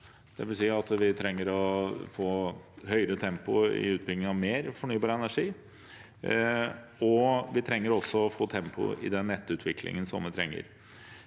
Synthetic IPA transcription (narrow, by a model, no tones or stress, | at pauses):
d̪̥ɛʋɪlsiːɑt̪ʋɪt̪ʰɾɛŋːəɾɔfoːɦœʏəɾət̪ʰɛmpʊɪ̰ʉːt̪̚bɪlɡ̪ɪəŋɑʋmeːɾfɔɳyːbɑːɾəɛnæʂiː | ɔʋɪt̪ʰɾɛŋːəɾɔsːɔɔfoːt̪ʰɛmpʰʊ̰ɪ̰d̪ɛnːɛt̪ːʉːt̪ʰʋɪkʰlɪ̰ŋənsɔ̰mʋɪt̪ʰɾɛ̰ŋːə̰ɾ